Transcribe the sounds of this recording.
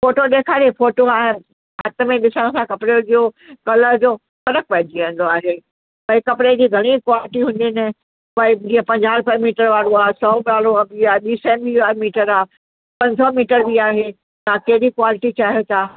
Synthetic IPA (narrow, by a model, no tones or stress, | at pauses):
foːʈoɗeːkʰaːɾefoːʈoaːɦɪn | ɦɐt̪ə̆mẽɗɪsə̃ɽ̃əsãkɐpɪɽed͡ʑoː | kɐləɾd͡ʑoː | fɐɾək̚pɐ̃ɦɪ̃ɲd͡ʑiʋẽːn̆d̪oaːɦe | pɐikɐpɪɽed͡ʑiːɡʱɐɽ̃ikwaːlɪʈiɦʊ̃n̆d̪inɪ | pɐid͡ʑiːə̃pɐ̃ɲd͡ʑaːɾpəmiːʈəɾʋaːɾoaːɦesɔːbaːɾoabiaːeɓiːsɛ̃ːmbiaːmiːʈəɾaː | pɐ̃ɲsɔmiːʈəɾbiaːɦe | t̪ãkɐɦɪɗikwaːlɪʈit͡ɕaːɦiot̪aː